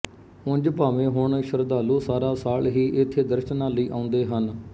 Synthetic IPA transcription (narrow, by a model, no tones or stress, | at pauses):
ʊ̃nd͡ʒpaːʋẽːɦʊɳʃəɾd̪aːluːsaːɾaːsaːlɦiːʔɪt̪ʰːeːd̪əɾʃənaːləiːʔã̰ːʊ̃nd̪eːɦən